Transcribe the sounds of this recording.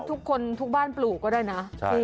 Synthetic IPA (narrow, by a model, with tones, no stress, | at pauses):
t̪ʰu˦˥kʰːo˧nt̪ʰu˦˥k̚baː˥˩npluː˨˩kːɔː˥˩daː˥˩jna˦˥˧